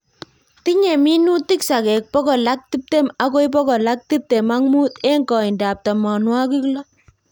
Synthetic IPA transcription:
ti˦ɲe˨mi˦nu˦ti˦ksa˨kɛ˨k̚pɔ˦kɔ˨la˦k̚ti˦p̚te˦ma˦ko˦jp̬ɔ˦kɔ˨la˦k̚ti˦p̚te˨ma˦ŋmu˦te˦ŋkɔ˨i˨nda˨p̚tɔ˨mɔ˨nwa˦k̬i˦klɔ˦

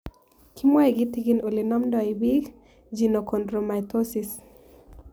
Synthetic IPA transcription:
kʰi˦mwa˦i˨ɡi˦ti˦ɡino˨li˨nɔ˦mdɔ˨ibiɡ | d͡ʒi˨no˨kʰɔ˨ndɾo˨ma˨jtosis

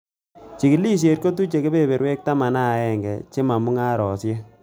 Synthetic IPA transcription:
t͡ʃi˨kɪ˨li˦s̬e˨t̚ko˦t̬u˦t͡ʃe˨ke˦pe˦be˨ɾwe˦k̚ta˦ma˨na˦˨ɛ˦ŋɡɛ˨t͡ʃe˦ma˨mʊ˦ŋa˦ɾɔ˨sje˦

